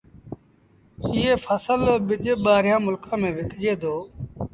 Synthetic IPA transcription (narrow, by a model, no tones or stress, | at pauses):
ɪːeːfʰəsəlɓɪd͡ʒɓaːɾjãːmʊlkʰãːmẽːʋɪkd͡ʒeːd̪oː